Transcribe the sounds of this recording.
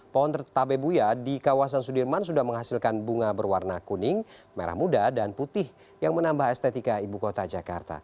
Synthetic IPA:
pɔɔnt̪ərt̪abebujadikawas̬ansudirmans̬udahməŋɦasilkanbuŋabərwarnakunɪŋma̰ɾa̰hmudadanput̪ɪh | jaŋmənambahɛst̪et̪ikaibukot̪ad͡ʒaka̰rt̪a̰

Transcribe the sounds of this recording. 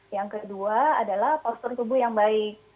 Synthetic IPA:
jaŋkəduaa̰dalahpast̪ɔrnt̪ubʊhjaŋbaɪk̚

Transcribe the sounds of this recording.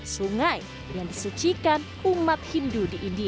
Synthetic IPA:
suŋaj | jaŋdisut͡ʃikan | umat̪̚hindudiʔindi

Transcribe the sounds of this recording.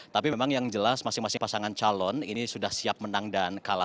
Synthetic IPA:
t̪apimemaŋjaŋd͡ʒəlasmasɪŋmasɪŋpasaŋant͡ʃalɔninisudahsiap̚mənaŋdankala

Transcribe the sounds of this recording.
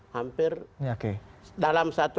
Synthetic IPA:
hampɪrokedalamsat̪u

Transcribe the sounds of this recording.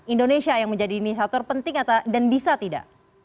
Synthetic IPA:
indonesiajaŋməɲd͡ʒadinis̬at̪ɔrpənt̪ɪŋat̪adanbisat̪ida̰ʔ

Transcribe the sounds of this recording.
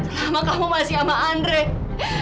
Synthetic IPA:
lamakamumasiamaʔandɾe

